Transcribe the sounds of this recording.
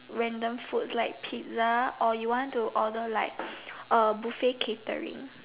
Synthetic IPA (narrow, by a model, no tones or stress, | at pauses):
ɹɛ̃ndə̃mfutslaɪk̚pʰit̚zaʔɔjuwɔ̃ntuʔɔdəlaɪk̚əbufekʰetə̰ɹḭ̃ŋ